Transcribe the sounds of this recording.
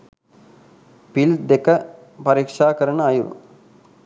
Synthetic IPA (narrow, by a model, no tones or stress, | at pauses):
pild̪ekə | pɐɾikʂaːkəɾənəɐjṵl